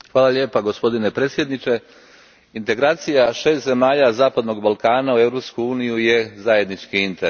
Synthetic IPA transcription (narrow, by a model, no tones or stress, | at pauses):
xʋaːlˠaʎe̞ːpaɡo̞spo̞d̪ine̞pɾe̞ːt̪sje̞d̪nit͡ʃe̞ | int̪e̞ɡɾaːt̪sijaʃe̞ːst̪ze̞maːʎazaːpad̪no̞ɡbalˠkaːnaue̞vɾo̞pskuuːnijuje̞zaje̞d̪nit͡ʃkiint̪eɾ